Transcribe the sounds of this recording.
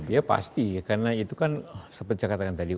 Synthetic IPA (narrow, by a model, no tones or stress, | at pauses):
diapa̰st̪ikarnait̪ukansəbət̪̚d͡ʒakat̪akant̪adi